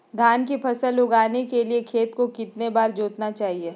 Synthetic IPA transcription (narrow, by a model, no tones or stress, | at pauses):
d̪ʱjaːnkipʰɐsəlʊɡaːnekeliekʰeːt̪kokɪt̪nebaːɾd͡ʒoːt̪nat͡ʃaːɦieː